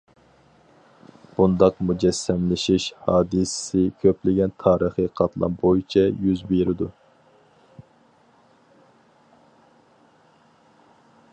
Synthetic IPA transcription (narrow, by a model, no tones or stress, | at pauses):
b̥und̪ɑqmud͡ʒɛsːɛmlɪʃiʃhɑːd̪ɨssɪkʲʰøplɪɡʲɛnt̪ʰɑːɾəχɨqʰɑt̪lˠɑ̰nbojit͡ʃʰɛjyzbeɾɪd̪u